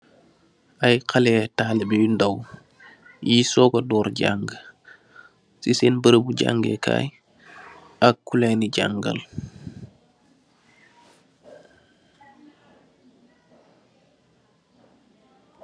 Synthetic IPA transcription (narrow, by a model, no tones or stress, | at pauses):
ʔajkʰɐlɛːtaːlibindɐw | jisɔːkodɔːɾɟa̰ŋɡ | sisenbəɾəbuɟa̰ŋɡḛkʰa̰ːj | ɐkːulɛniɟa̰ŋɡɐ̰l